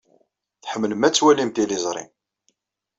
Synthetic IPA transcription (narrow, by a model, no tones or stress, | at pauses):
θħəmːləmæt͡sːwælimt̪ilizˤɾˤḭ